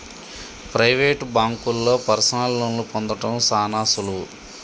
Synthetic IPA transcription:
pɾɐjʋeːʈbaːŋkulːo̞ːpɐɾsɐnalːonlupond̪ɐʈɐmsaːnaːsulu

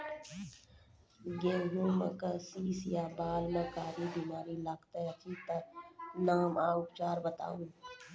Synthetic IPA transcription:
ɡeːnõːmə̰̃kasiːsjaːbaːlmẽkaːɾibiːmaːɾilaːkt̪eət͡ʃiːt̪ənaːmaːʊpt͡ʃaːɾbət̪a̰ːũː

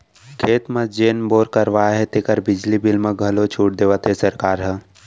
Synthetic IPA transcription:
kʰeːt̪məd͡ʒeːnboːɾkəɾʋaːɦɛt̪ekəɾbɪd͡ʒlibilmẽɡʱɐlot͡ʃʰuːʈ̚d̪eːʋət̪ɦesɐɾkaːɾɦə̃

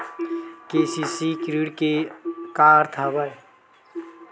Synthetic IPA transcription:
keːsisikɾiɽkekaːɾt̪ʰaːbaj

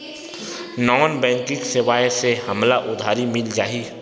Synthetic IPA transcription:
nɔːnbɛ̃ːŋkɪ̃ksɪwaːjsehəmlaʔʊd̪ʱaːɾimɪld͡ʒaːiː

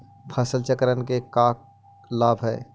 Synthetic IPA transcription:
pʰəsəlt͡ʃəkɾənkekaːk̚ | laːbʱɦɛː

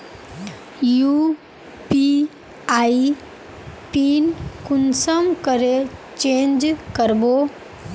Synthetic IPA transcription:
ju | pi | ai | pinkunsəmkəɾet͡ɕend͡ʒkəɾbo

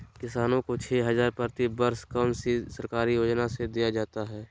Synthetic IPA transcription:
kɪsaːnõkot͡ʃʰeːɦɐzaːɾpəɾt̪ibəɾskəmsisɐɾkaːɾijoːd͡ʒnased̪ijad͡ʒaːt̪aɦɛː

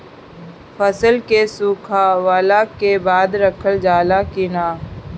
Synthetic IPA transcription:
fʰəsəlkesuːkʰaːʋaːlakebaːd̪ɾəkʰəld͡ʒaːlakɪnaː

